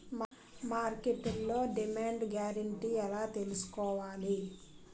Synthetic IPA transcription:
m | maːɾkeʈulːo̞ːɖimaːɳɖɡjaːɾɐɳʈiːɛlaːt̪elusu̥kɔːʋaːli

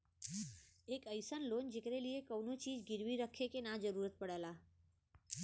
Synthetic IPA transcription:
ekəjsənlond͡ʒekəɾeliekəwnot͡ʃid͡ʒɡɪɾʋiɾəkʰekenad͡ʒəɾuɾət̪̚pəɽəla

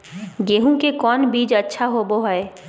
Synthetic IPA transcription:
ɡeːɦũkekɔːnbiːd͡ʒətːʃʰaɦoːboɦəe

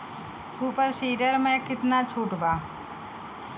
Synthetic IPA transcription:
suːpəɾʃiːɾəɾmẽːkɪt̪naːt͡ʃʰuːʈʋaː

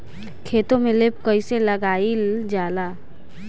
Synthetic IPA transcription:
kʰeːt̪õmẽleːb̚kəɪseləɡaːild͡ʒaːla

